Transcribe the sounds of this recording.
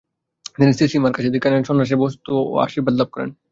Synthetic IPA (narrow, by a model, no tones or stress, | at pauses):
d̪inist̪iʃimaɾkat͡ɕʰed̪ikanenʃɔnɾaʃ̬ebɔst̪ːo̰a̰ʃibəd̪lab̚kɔɾḛn